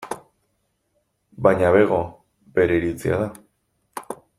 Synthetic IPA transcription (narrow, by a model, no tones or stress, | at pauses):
bajɲaβe̞ɣo̞ | be̞ɾeɾit͡sia̰ða